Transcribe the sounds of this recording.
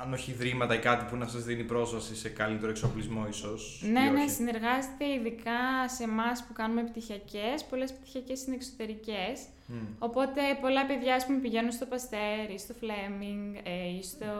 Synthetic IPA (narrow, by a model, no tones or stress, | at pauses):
ɐno̞çiðɾimɐt̪ɐikɐt̪ipunɐsɐzðinipɾo̞zvɐsise̞kɐlit̪e̞ɾoeksoplizmo̞iso̞sne̞ne̞sine̞ɾɣɐze̞t̪e̞iðikɐse̞mɐspukɐnume̞pt̪içɐce̞spo̞le̞spt̪i̥çɐce̞sinekso̞̥t̪e̞ɾice̞s | o̞po̞t̪e̞po̞lɐpe̞ðʝɐɐspume̞piʝe̞nunst̪o̞pɐst̪e̞ɾist̪o̞flemiŋɡist̪o